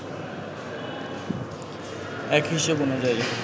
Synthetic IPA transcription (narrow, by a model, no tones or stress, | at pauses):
ɛkɦiʃebonod͡ʑaj